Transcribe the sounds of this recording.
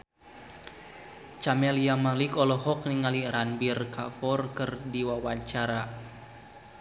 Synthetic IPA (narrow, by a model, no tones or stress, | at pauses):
t͡ʃamɛliamalikɔlɔɦɔk̚niŋaliɾanbirkafɔrkɨrdiwawat͡ʃaɾa